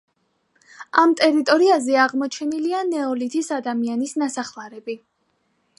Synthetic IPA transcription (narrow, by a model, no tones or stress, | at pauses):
amt̪ʼɛɾit̪ʼɔɾiazɛaʁmɔt͡ʃʰɛnilianɛɔlit̪ʰisad̪amianisnasaχlˠaɾɛbi